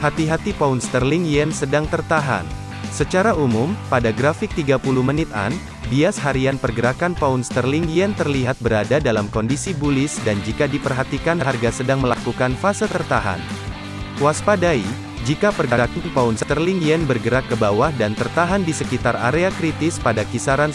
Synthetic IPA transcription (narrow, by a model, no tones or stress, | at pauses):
hat̪iɦat̪ipaunst̪ərliŋjɛnsədaŋt̪ərt̪aɦa̰n | sət͡ʃaɾaumumpadaɡɾafɪk̚t̪iɡapuluhmənɪt̪̚a̰n | biashaɾianpərɡəɾakanpaunst̪ərlɪŋjɛnt̪ərliɦat̪̚bəɾadadalamkɔndisibulɪsdand͡ʒikadipərɦat̪ikanarɡasədaŋməlakukanfasət̪ərt̪aɦa̰n | waspadai | d͡ʒikapərɡəɾakanpaʊnst̪ərlɪŋjɛnbərɡəɾakːəbawahdant̪ərt̪aɦandisəkit̪ara̰ɾeakɾit̪ɪspadakisaɾan